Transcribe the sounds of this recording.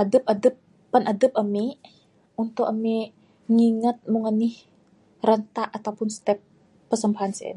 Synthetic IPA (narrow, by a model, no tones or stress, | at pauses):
ʔadəpadəpː | anʔadəp̚ami | unt̪ʊkami | ŋiŋat̪̚muŋənːɪh | rənt̪aʔat̪awpʊnst̪ɛp̚ː | ərsəmbaɦansa̰n